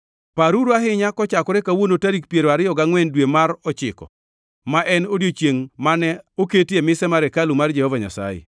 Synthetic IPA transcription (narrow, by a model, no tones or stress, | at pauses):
paɾuɾoaɦɪɲakɔt͡ʃakɔɾɛkawonotaɾik̚pjeɾoaɾɪjɔɡaŋwɛndwemaɾɔt͡ʃɪkɔ̰ | maʔɛnodjot͡ʃjeŋmanɛoketjemɪsɛmaɾɛkalumard͡ʒɛhɔvaɲa̰sa̰jḛ